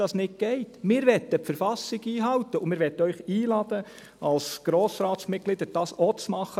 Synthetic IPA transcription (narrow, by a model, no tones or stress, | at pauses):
ɑsnɪk̚ɡ̥ɛɪtmɪːɾʋɛt̪əpfəɾfɑsɪɡiːɦɑwtəʊmɪːɾʋɛt̪ːəœʏχiːlɑd̥̪ə | ɑlsɡ̥ɾoːsɾɑːtsmɪt̚ɡ̥lɪd̪əɾd̥ɑːsot͡smɑχə